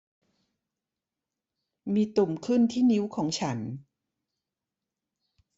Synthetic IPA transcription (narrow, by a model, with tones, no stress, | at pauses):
miː˧t̪u˨˩mkʰɯ˥˩nt̪ʰiː˥˩ni˦˥wkʰɔː˩˦ŋt͡ɕʰa˦˥n